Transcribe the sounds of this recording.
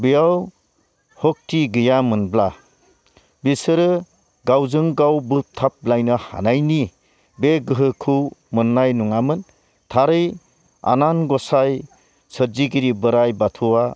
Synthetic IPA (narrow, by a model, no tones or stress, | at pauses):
bijaw | hɔk̚tiɡɯjamɯnbla | bisɯɾɯ | ɡawzɯŋɡawbɯp̚t̪ʰap̚blajnɯha̰najni | beɡɯɦɯkʰuwmɯnːajnuŋamɯn | tʰaɾɯj | a̰nanɡɔsaj | sətziɡiɾibɯɾajbatʰuwa